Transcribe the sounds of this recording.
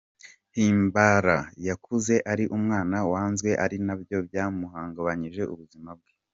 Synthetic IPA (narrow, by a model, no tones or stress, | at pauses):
hiːmbaɾajakʰuze̞ʔaɾiʔumŋaːnawaːnzɡwe̞ʔaɾinabjo̞bjaːmuɦaːŋɡaβaɲiʒe̞ʔuβuzimab̚ɡe